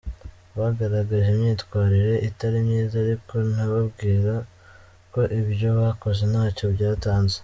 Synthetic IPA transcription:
βaɡaɾaɡaʒemɲiːtkwaːɾiɾe̞ʔitaɾimɲiːzaːɾiko̞n̥aβabɡiːɾa | ko̞ʔiβjo̞βako̞ze̞n̥aːco̞bɟaːtaːnze

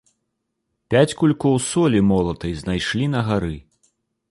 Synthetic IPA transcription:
pʲat͡sʲkulʲkɔwsɔlʲimɔlˠɐt̪ɐjznajʂlʲinɐɣaɾɨ

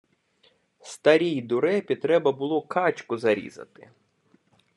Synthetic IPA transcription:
st̪ɐɾʲijd̪ʊɾɛpʲit̪ːɾɛbɐbʊlˠɔkʰɑt͡ʃʲkʊzɐɾʲḭzɐ̰t̪ɪ̰

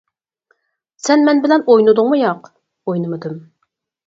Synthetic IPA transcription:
sɛnmɛnbɪlɛnojnɨd̪ʊŋmujɑq | ojnɨmɨd̪ɨm

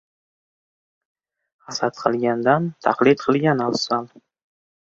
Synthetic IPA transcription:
hasat̪qʰɨlˠɡʲand̪ant̪ʰa̰qlˠɪt̪̚qʰɨlˠɡʲanɒlsan

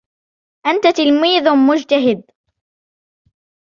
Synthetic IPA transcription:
ʔant̪at̪ɪlmiːðmʊd͡ʒt̪aɦɪd̪̚

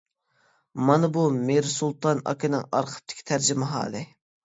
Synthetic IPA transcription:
mɑnɨbumeɾsulˠt̪ɑnɑ̰kʲinɪ̰ŋɑ̰ɾqʰə̥p̚t̪ʰɪ̥kʲʰi̥t̪ʰæɾd͡ʒimɪɦɑ̰ːlˠɪ

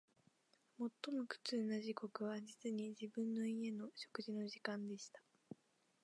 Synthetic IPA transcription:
mo̞t̪ːo̞mo̞kɯ̟̥t͡sɨːnaʑiko̞kɯ̟βad͡ʑit͡sɨɲ̟id͡ʑibɯ̟̃nːo̞ie̞no̞ɕo̞̥kɯʑino̞ʑikãnd̪e̞ɕi̥t̪ḁ

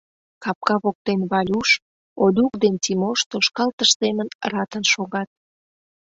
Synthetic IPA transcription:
kɑp̚kɑβok̚t̪enβɑlʲuʃ | od̪ʲukd̪ent̪imoʃt̪oʃkɑlt̪əʃsemənrɑt̪ənʃoɣɑt̪̚

